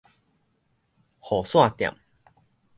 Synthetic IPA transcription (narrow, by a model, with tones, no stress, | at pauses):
hɔ˨˩swa˥˨t̪ja̰˨˩˨m